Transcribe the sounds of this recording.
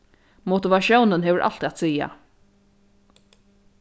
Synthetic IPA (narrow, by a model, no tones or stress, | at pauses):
mɔt̪ɪʋaʃjɔwnənɦɛːʋəɹʔa̰l̥t̪iat̪siːja̰